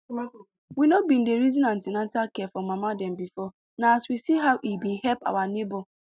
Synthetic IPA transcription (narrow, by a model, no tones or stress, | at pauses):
winobin̩deɾizĩnãn̩tɪnantakɛfɔmamadɛ̃m̩bifɔ | naaswisiɦawʔibihɛlpa̰wanebo